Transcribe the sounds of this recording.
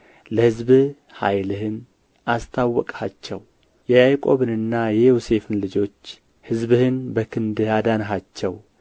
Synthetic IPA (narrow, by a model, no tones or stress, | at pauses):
ləhɨzbɨ | ha̰jlɨhɨn | ʔast̪ʰawːɔkʼhat͡ʃːɛw | jɛjajkʼo̞βɨnɨnːajɛjose̞fɨnlɨd͡ʒo̞t͡ʃː | hɨzbɨhɨnbəkʰɨnd̪ɨad̪anɦat͡ʃːɛw